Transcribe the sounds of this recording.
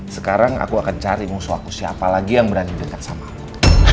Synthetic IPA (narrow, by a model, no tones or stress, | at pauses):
sə̥kaɾaŋa̰kuakant͡ʃaɾimusua̰kusiapalaɡijaŋbəɾardidəkat̪̚sama